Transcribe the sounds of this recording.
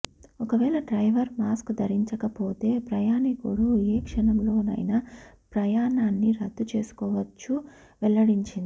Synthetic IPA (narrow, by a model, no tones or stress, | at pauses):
ɔkɐʋɛːɭɐɖɾɐjʋɐɾmaːskd̪ɐɾiɲt͡ʃɐkɐpoːt̪e̞ːpɾɐjaːnikuɽueːkʂɐɳɐmlo̞ːnɐ̰jnɐ | pɾɐjaːnaːnːiɾɐd̪ːut͡ʃe̞ːsu̥kɔːʋɐt͡ʃːu | ʋɛlːɐɽiɲt͡ʃind̪i